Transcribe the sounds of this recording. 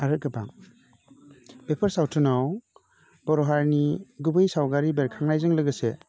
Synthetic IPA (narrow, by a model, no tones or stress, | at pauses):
aɾɯt̚ɡɯpaŋ | b̥epʰɯɾsawtʰɯnaw | b̥ɔɾɔɦaɾniɡubɯjsawɡaɾibeɾkʰaŋnajzɯŋlɯɡɯse